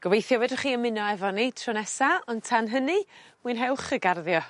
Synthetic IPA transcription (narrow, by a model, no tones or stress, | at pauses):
ɡ̥əvejθjɔwɛdəχiːənmɪnɔɛvɔnitʰrɔnɛsaɔntʰanɦənimɨnɦɛwχəɡarðjɔ